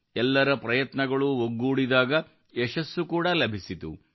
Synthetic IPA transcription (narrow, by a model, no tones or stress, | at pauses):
ɛlːɐɾɐpɾɐjɐt̪nɐɡɐɭuoɡːuːɽid̪aːɡɐ | ɛʃɐsːukuːɽɐlɐbʱisit̪ṵ